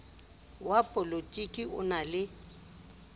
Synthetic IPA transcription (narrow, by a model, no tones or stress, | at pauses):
wapʼɔlotʼikʼiʊ̰nalɪ